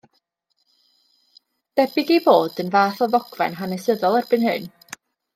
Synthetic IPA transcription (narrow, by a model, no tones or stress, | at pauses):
d̥ɛbɪɡeboːdənvaːθɔðɔɡ̥vɛ̰nɦanɛsəðɔlˠɛrb̥ɨnhɨn